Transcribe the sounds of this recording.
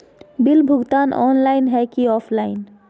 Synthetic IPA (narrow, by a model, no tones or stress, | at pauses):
bilbʱuɡt̪anʔɔ̰nlajnɦɛjkiɔfʰlajn